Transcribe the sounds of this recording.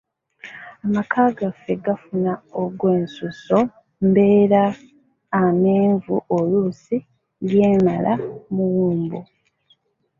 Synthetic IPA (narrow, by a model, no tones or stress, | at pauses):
amakʰaːɡafe̞ɡafunaoɡwe̞ːnsuso̞ | mbe̞ːɾaː | me̞ːɱvuʔolusi | lje̞ːmalamuwuːmbo